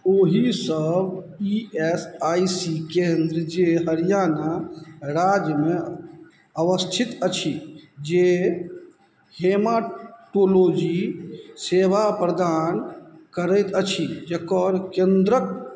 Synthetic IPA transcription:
oɦisəb | iesajsikend̪ɾəd͡ʒeɦəɾijanaɾad͡ʒjəme | əʋəst̪ʰit̪ət͡ʃʰid͡ʒe | hemaʈolod͡ʒiseʋapɾəd̪ankəɾəjt̪ət͡ʃʰid͡ʒekɔɾkẽnd̪ɾək̚

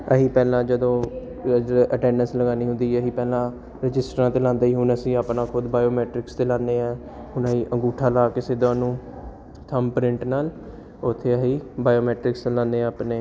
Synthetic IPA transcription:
əɦiːpɛːlãːd͡ʒəd̪õː | əʈɛ̃ːnənsləɡaːniːɦʊ̃nd̪iːəɦiːpɛːlãː | ɾɪd͡ʒɪsʈɾãːt̪eːlãːnd̪aːiːɦʊnəsĩːaːpnãːkʰʊd̪baːjoːmɛːʈɾɪkst̪eːlãːnːeːɛː | ɦʊnəɦiːʔə̃ŋɡuːʈʰaːlaːkɪseːd̪ãːnũː | t̪ʰəmpɾɪ̃ɳʈnaːl | ʊt̪ʰːeːəɦiːbaːjoːmɛːʈɾɪkslãːnẽːaːpneː

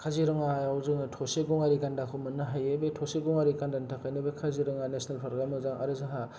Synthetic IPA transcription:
kʰaziɾɯŋaajawzɯŋtʰɔseɡɔŋaɾikandakʰɔmɯnːɯɦajebetʰɔseɡɔŋaɾikandantʰakʰɯjnɯbekʰaziɾɯŋanesnalpʰɾaɾɡɾamɯzaŋa̰ɾɯzaɦa

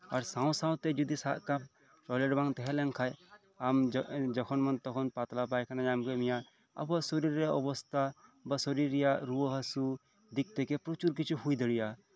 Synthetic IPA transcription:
ɐɾsãw̃sãw̃t̪ɛd͡ʒud̪isaʔkab̚ | ʈɔleɖbãŋt̪ɛɦɛlɛŋkʰaj | amd͡ʒd͡ʒɔkʰɔnmɐnt̪ɔkʰɔnpat̪lapajkʰanajamkemija | ɐ̰basɔɾiɾeʔɔbɔst̪ʰabasɔɾiɾijaɾuəɦɐsu | d̪ik̚t̪ekepɾot͡ʃuɾkit͡ʃʰuɦujd̪əɽija

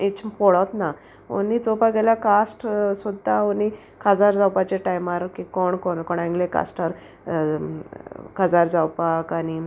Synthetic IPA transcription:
et͡ɕpɔɽat̪na | o̰nit͡sɔpaɡeljakasʈsod̪ʱaoni | kʰad͡zaɾd͡zawpat͡ɕeʈajmaɾkikɔɳkɔɳkɔɳãŋɡleka̰sʈaɾ | kʰad͡zaɾd͡zawpakaɽ̃i

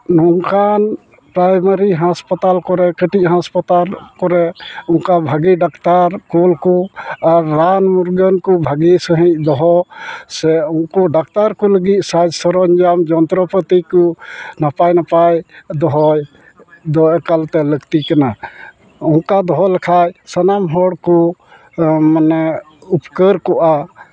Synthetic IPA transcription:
nɔŋkan | pɾajmaɾiɦãspat̪alkɔɾɛkəʈic̚ˀɦãspat̪aɾkɔɾɛɔŋkabʱaɡiɖakt̪aɾkulkɔaɾːanmuɾɡənkɔbʱaɡisəɦĩc̚d̪ɔɦɔsɛɔŋkɔɖak̚t̪aɾkɔləɡic̪̚ˀsad͡ʒsɔɾɔɲd͡ʒamd͡ʒɔnt̪ɾɔpət̪ikɔnapajnapajd̪ɔɦɔj | d̪ɔʔɛkalt̪ɛləɡt̪ikana | ɔnkad̪ɔɦɔlɛkʰajsənamɦɔɽkɔ | manɛ | upkəɾkɔʔa

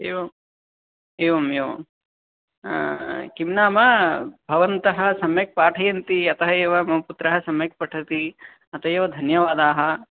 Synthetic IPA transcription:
eːʋɐm | eːʋɐmjoː | kimnaːmɐbʱɐʋɐnt̪ɐɦɐ̆sɐmjɐk̚paːʈʰɐjɐnt̪iɐt̪ɐɦɐeːʋɐmɐmɐput̪ɾɐɦɐsɐmjɐk̚pɐʈʰɐt̪i | ɐt̪ɐjeːʋɐd̪ʱɐnjɐʋaːd̪aːɦɐ

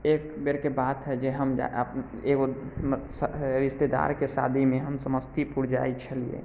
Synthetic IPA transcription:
ekbeɾkebat̪ɦɛd͡ʒeɦəmd͡ʒa̰əp | eɡosɾist̪ed̪a̰ɾkesa̰d̪ʱimẽɦəmsəməst̪ipuɾd͡ʒa̰it͡ʃʰəliḛ

